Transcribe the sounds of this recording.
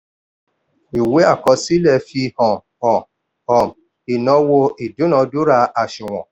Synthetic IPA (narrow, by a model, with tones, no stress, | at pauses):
i˨we˨˦a˦˨kɔ˧˦si˦lɛ˦˧˨fi˧hɔ̃˨ | ɔ̃˨ | ɔ˨m | i˨nɔ̃˧˦wo˧ʔi˨dũ˨˦nɔ̃˧˦du˦ɾa˧a˧˨ʃũ˨w̃ɔ̰̃˨